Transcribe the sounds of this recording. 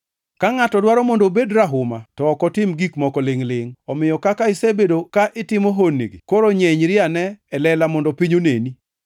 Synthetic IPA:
kaŋatɔdwaɾɔmondobedɾaɦʊmatɔːkɔtɪmɡikmɔkɔlɪŋlɪŋɔmɪjɔkakaɪsebedokaʔɪtɪmoɦonːḛɡikoɾoɲeɲɾɪanɛɛlɛlamɔndɔpiɲoneni

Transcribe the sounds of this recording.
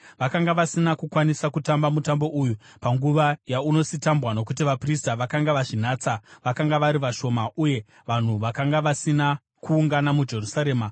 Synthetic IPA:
ʋakaŋɡaʋasinakukwanisakutambamutambo̞ʔuju | paŋɡuʋajauno̞sitambwano̞kutiʋapristaʋakaŋɡaʋat͡ʃin̤aːt͡saʋakaŋɡaʋaɾiʋaʃo̞maʔuje̞ | ʋan̤uʋakaŋɡaʋasina | kuːŋɡanamud͡ʒe̞rusaɾe̞ːma

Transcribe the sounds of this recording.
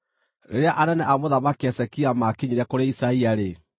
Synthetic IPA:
ɾḛɾeaʔanɛnɛʔamoðamakeɛsɛkiamakeɲeɾiakoɾeisaiaɾe

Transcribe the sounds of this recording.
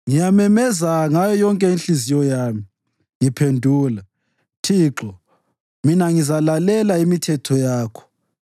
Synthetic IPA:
ŋijamɛmɛzaŋajɔjɔŋkʼɛinɬizijɔjaːmi | ŋipʰendʱuːla | tʰiːǁɔ | minaŋizalalɛlaimitʰɛtʰɔjaːkʰɔ̥

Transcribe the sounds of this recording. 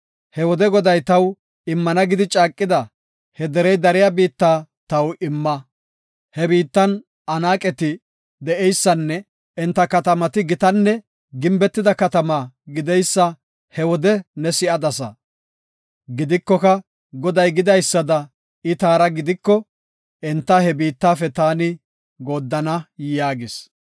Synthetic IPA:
hɛwɔd̪ɛɡɔd̪ɐjt̪ɐw | ɪmːɐnɐɡɪd̪ɪt͡ʃʼaːkʼːɪd̪ɐ | hɛd̪ɛɾɛjd̪ɐɾɪjabiːt̪ːaːt̪ɐwɪmːɐ | hɛbiːt̪ːɐn | ʔɐnaːkʼɛt̪ɪ | d̪ɛʔɛjsːɐnːɛ | ɪnt̪ːɐkɐt̪ɐmɐt̪ɪɡɪt̪ɐnːɛ | ɡɪmbɛt̪ːɪd̪ɐkɐt̪ɐmaːɡɪd̪ɛjsːɐ | hɛwɔd̪ɛnɛsɪʔɐd̪ɐsɐ̰ | ɡɪd̪ɪkːɔkɐ | ɡɔd̪ɐjɡɪd̪ɐjsːɐd̪ɐ | ɪt̪aːɾɐɡɪd̪ɪkːɔ | ʔɛnt̪ːɐhɛbiːt̪ːaːfɛt̪aːnɪ | ɡoːd̪ːɐnɐjaːɡɪs

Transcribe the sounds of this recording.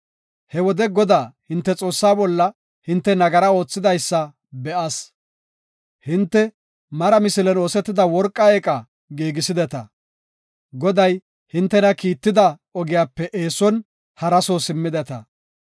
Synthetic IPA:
hɛwɔd̪ɛɡɔd̪aːhɪnt̪ːɛt͡sʼo̞ːsːaːbɔlːɐ | hɪnt̪ːɛnɐɡɐɾɐo̞ːt͡sːɪd̪ɐjsːɐ | bɛʔɐs | hɪnt̪ːɛ | mɐɾɐmɪsɪlɛnoːsɛt̪ːɪd̪ɐwɔɾkʼːɐeːkʼɐ | ɡiːɡɪsɪd̪ɛt̪ɐ | ɡɔd̪ɐj | hɪnt̪ːɛnɐkiːt̪ːɪd̪ɐ | ɔɡɪjaːpːɛʔeːsɔn | hɐɾɐsoːsɪmːɪd̪ɛt̪ɐ̰

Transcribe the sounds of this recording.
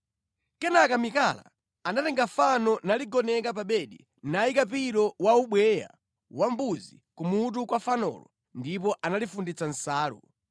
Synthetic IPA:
kɛnakamikala̰ | anatɛŋɡafanɔnaliɡɔnɛkap̬aɓɛɗḭ | naikap̬iɾɔwauɓwɛja̰ | wam̩buzḭ | kumut̬ukwafanɔ̰lɔ̰ | ndipɔʔanalifundit͡san̩saːɾṵ

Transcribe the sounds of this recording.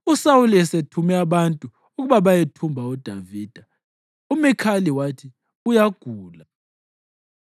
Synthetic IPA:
usauliɛsetʰumɛaβantʼuː | ɣuβaβajetʰumbʱaud̥ʱaviːd̥ʱa | umɛkʰaliwatʰi | ujaɡ̥ʱuːla

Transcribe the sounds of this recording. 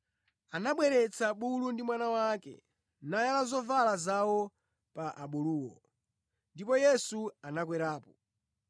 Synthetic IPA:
anaɓwɛɾɛt͡sʰaɓulundimwanawakɛ̰ | najalazɔvalazawɔ | paʔaɓuluːwɔ | ndipɔjɛsuanakwɛɾaːpɔ

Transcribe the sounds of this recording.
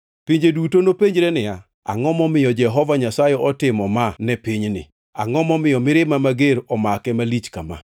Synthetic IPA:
piɲd͡ʒedutonopeɲd͡ʒɾɛnɪja | a̰ŋɔmɔmɪjɔd͡ʒɛɦɔvaɲasajɛʔɔtɪmɔmanɛpiɲnɪ̰ | a̰ŋɔmɔmɪjɔmɪɾɪmamaɡeɾɔmakɛmalit͡ʃka̰ma̰

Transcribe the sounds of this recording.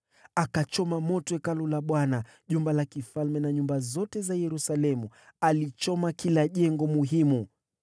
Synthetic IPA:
akat͡ʃɔmamɔtɔɛkalulaɓwana | ʄumbalakifalmɛnaɲumbazɔtɛzajɛɾusalɛmualit͡ʃɔmakilaʄɛŋɡɔmuɦimu

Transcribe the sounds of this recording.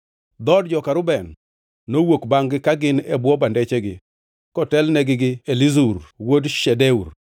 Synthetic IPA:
d̪ɔdd͡ʒɔkaɾʊbɛnː | owokbaŋɡɪkaɡɪnɛbwɔbandɛt͡ʃɛɡɪ | kɔtɛlnɛɡɪɡɪelizuɾwodʃɛdɛur

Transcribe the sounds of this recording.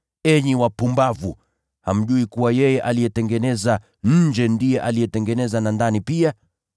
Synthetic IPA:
ɛɲiwapumbavu | ha̰m̩ʄuikuwajɛjɛʔalijɛtɛŋɡɛnɛza | ɲ̩d͡ʒɛndijɛʔalijɛtɛŋɡɛnɛzanandanipia

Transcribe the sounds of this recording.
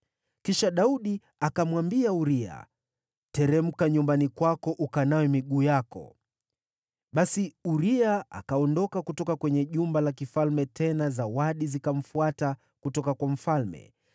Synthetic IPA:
kiʃaɗauɗi | akamwambiauɾia̰ | tɛɾɛm̩kaɲumbanikwakɔʔukanawɛmiɠuːjakɔ̰ | ɓasiuɾiaa̰kaɔndɔkakutɔkakwɛɲɛʄumbalakifalmɛtʰɛnazawaɗizikam̩fuata | kutɔkakwam̩falmɛ̰

